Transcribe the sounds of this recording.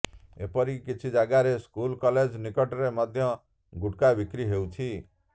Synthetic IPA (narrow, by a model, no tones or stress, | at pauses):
ḛpɔɾikit͡ʃʰid͡ʒaɡaɾeskulkɔled͡ʒnikɔʈɾemɔd̪ʱjɔ | ɡuʈkabikɾiɦewt͡ʃʰi